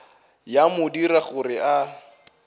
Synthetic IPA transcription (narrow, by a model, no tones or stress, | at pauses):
jamʊdiɾaɣʊrɪʔa